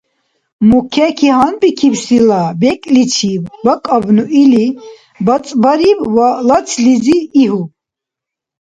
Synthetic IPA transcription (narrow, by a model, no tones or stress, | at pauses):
mukʰɛkʰihanbikʰibsilabɛkʼlit͡ʃʰibbakʼabnuʔili | bat͡sʼbaɾibwalat͡sʰliziːɦu